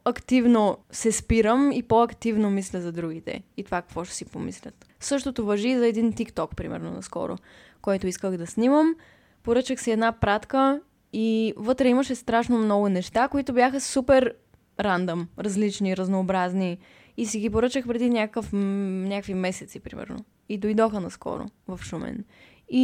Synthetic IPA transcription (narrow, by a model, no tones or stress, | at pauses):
ɐkt̪ivnosɛspiɾəmipoɐkt̪ivnomislʲəzɐd̪ɾuɡit̪ɛ̰it̪ovakɐ̥kvɔʃt̪ɛ̥sipomḭslʲə̰t̪ | sɤʃt̪ot̪ovɐʒizɐɛd̪int̪ikt̪ɔkpɾimɛ̰ɾno̰nɐ̰skɔ̰ɾo̰ | kɔjt̪oiskəxd̪ɐsniməm | poɾɤt͡ʃəxsɛɛd̪napɾat̪kə | ivɤt̪ɾɛiməʃɛst̪ɾaʃnomnɔɡʊnɛʃt̪akoit̪objaxəsupɛɾ | ɾand̪omɾɐzlit͡ʃniɾɐznoːbɾazniː | siɡipoɾɤt͡ʃəxpɾɛd̪inʲakəkəfnʲakkvimɛsɛt̪sipɾimɛ̰ɾno̰ | id̪ojd̪ɔxənɐskɔ̰ɾo̰vɐfʃumɛ̰n | i